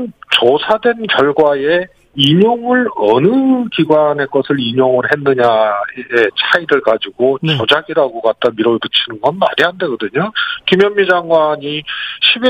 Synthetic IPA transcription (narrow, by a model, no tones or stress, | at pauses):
t͡ɕosʰadwe̞nkjʌɭɡwae̞ | iɲoŋɯɭʌnɯkiɡwane̞k͈ʌsʰɯɭiɲoŋɯɾɦe̞nːɯɲaeet͡ɕʰaiɾɯɭkad͡ʑiɡot͡ɕʌd͡ʑaɡiɾaɡokat̚t͈amiɾotɯt͡ɕʰinɯnɡʌnma̰ɾiɦande̞ɡʌdɯɲokimjʌnmid͡ʑaŋɡwaɲiɕʰib